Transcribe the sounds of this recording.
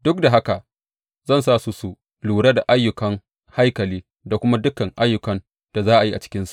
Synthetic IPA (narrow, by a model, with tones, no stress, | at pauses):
dʊ˦k̚da˨ɦa˦ka˨ | zɐ˦˨ns̬aː˦˨su˦su˨ | luː˨ɽa˦da˨ʔa˦jːʊ˨kɐ˦ŋ | ha˦jkɐ˨liː˦ | da˨kʷʊ˦ma˦dʊ˦kɐ˨ŋʔa˦jːʊ˨kɐ˨n | d̥a˨zaː˦ʔa˨ji˦ʔa̰˨t͡ʃɪ̥˦kʲɪ˦nsu̥˨ʔ